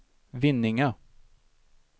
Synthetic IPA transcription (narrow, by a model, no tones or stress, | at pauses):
vɪnːɪŋə